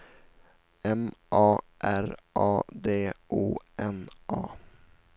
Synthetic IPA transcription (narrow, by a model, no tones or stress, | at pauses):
ɛmʔɑː | ʔæɾʔɑːd̪eːʔuːɛnʔɑː